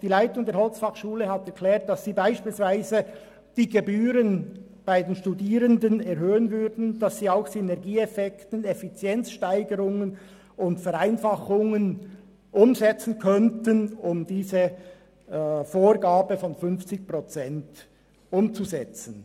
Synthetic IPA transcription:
d̥iːlaɪtʊŋdeːɐɾhɔlt͡sfɑχʃuːləɦɑtɛʁkʰlɛːɐt̚d̥ɑsːiːbaɪʃpiːlsv̥aɪzə | d̥iːɡebyːɾən | b̥aɪdeːnʃtudiːɾəndənɛɾɦøːənvʏɾdn̩d̥ɑsːiːaʊxsynɛʁɡiːɛfɛktənefit͡sjɛnt͡sʃtaɪɡəɾʊŋən | ʔʊntfɛɾaɪnfɑχʊŋən | ʔʊmzɛt͡sn̩kʰœntənʊmdiːzə | foːɾɡaːbəfɔnfʏnft͡sɪç̚pʁɔt͡sɛnt | ʊmt͡suzɛt͡sən̩

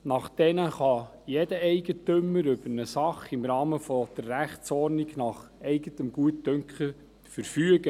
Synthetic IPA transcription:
nɑχd̥ɛnəχɑ | jɛdəɛɪɡətʏmːəɾʏbəɾnəsɑχɪmɾɑːməfɔd̥əɾːæχt͡sɔrnɪɡ̥nɑχɛɪɡətəmɡ̥uətdœŋkχə | fəɾfyəɡ̥ə

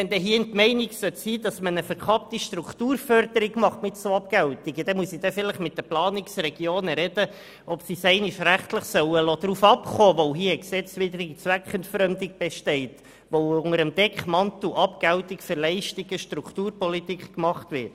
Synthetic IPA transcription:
ʋɛnd̪ɛɦiəɪntmɛɪniksœtsiːd̥ɑsmənəfəɾkʰɑp̚tiʃtɾuktuːɾfœɾdəɾiɡmɑχtmɪtsoɑpɡɛwtiɡəd̥ɛmuəsid̥̪ɛfɪləχmɪt̚d̥əplɑːniksrɛɡjoːnəɾɛd̥ə | ʔɔpsisɛɪniʃræχtləχsœwəloːd̥̪ɾufɑpχoːʋoʊɦiːksɛt͡sʋɪdɾɪɡit͡sʋækχəntfɾœmd̪iɡ̚b̥ɛʃtɛɪt | ʋoʊŋəɾəmd̥ɛkχmɑntl̩ʔɑpɡ̥æwtɪkfəɾlɛɪʃtiɡ̥əʃtɾuktuːɾpɔlitikkmɑχtʋɪɾt

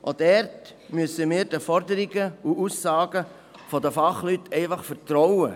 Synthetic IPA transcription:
ʔod̥ɛɾt | myəsəmɪːɾd̥əfɔɾdəɾiɡəuusːɑːɡ̥ə | fɔdəfɑχlytʰɛɪfɑχfəɾtɾɔwə

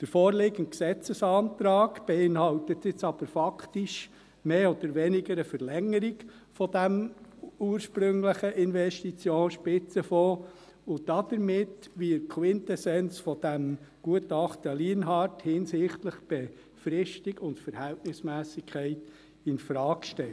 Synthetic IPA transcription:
d̥əɾfɔːɾlɪɡən̩t̚ksɛt͡səsɑːnt̪ɾɑːɡb̥ɛɪnhɑwtət̪ɪt͡sɑb̥əɾfɑkʰtɪʃ | meːɔd̥̪əɾʋɛnɪɡəɾəfəɾlɛŋəɾiɡ | fɔd̥æmuːəɾʃpɾʏŋləχəʔɪnʋɛʃtit͡sjoːnʃpɪt͡səfɔː | ʊd̥ɑd̥̪əɾmɪtʋikʰwɪntɛsɛnsfɔd̥æmɡ̥uətɑχtəliənɦɑɾthɪnsɪχtləχb̥ɛ | fɾɪʃtiɡʊntfəɾhæltnɪsmæːsɪkʰχɛɪt | ɪnfɾɑːkʃtɛl

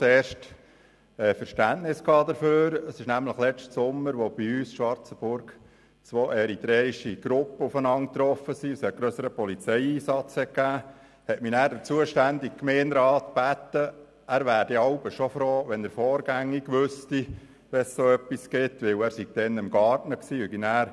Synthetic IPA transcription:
eːɾʃt | ɛfəɾʃtæntnɪskʰɑːd̪əɾføːɾəsɪʃnæmləχlɛt͡stsʊmːəɾʋob̥iyːsʃʋɑɾt͡səb̥ʊɾɡ | t͡sʋoːʔɛɾit̪ɾɛːɾiʃiɡ̥ɾʊpːəufənɑŋt̪ɾɔfəsiəshɛt̚ɡ̥ɾøsəɾəpɔlit͡sɛɪiːsɑt͡shɛkæː | hɛtminæːɾdət͡suəʃtænd̪ik̚kmɛːnɾɑːt̪b̥æt̪ːə | æːɾʋæːɾdiɑʊbəʃofɾoːʋɛndəɾfɔːɾɡæŋːiɡ̥ʋøsti | ʋɛssoːœpːiskɪt̪ʋɪwæːɾsiɡ̥̚d̥ɛnɪmɡɑːɾtnəksiːyɡinæːɾ

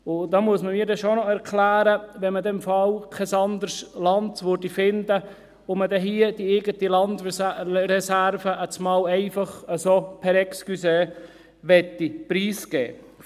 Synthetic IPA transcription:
ʊd̪ɑmuəsməmiːdɛʃonɔɛɾkʰlæːɾəʋɛnmədɛmfɑlkʰɛsɑndəɾslɑntʋøɾdifɪnd̪ə | ʊmədɛɦiːəd̥ieɡətilɑnd̪ɾɛsæɾvəʔət͡smɑːlɛɪfɑχəsopʰɛɾɛkskyse | ʋɛtːipɾiːsɡ̥ɛ̰ː

